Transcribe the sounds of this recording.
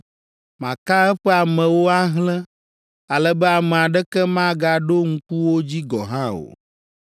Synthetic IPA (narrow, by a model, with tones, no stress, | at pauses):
mã˨ka˦ɛ˦ɸɛ˦a˨mɛ̃˨wo˦a˦ɦlɛ̃˦ | a˨lɛ˨bɛ˦a˨mɛ˨a˨ɖɛ˦kɛ˦mã˦ɡa˦ɖo˦ŋ̩˦ku˦wo˦d͡ʑi˦ɡɔ˨ɦã˦o̰˨